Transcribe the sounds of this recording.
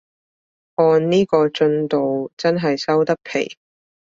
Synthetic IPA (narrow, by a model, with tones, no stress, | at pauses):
ʔɔː˧nniː˥kɔː˧t͡ʃɵ˧nt̪o˨wt͡sɐ˥nɦɐ˨jsɐ˥wt̪ɐ˥k̚pʰḛ˨˩j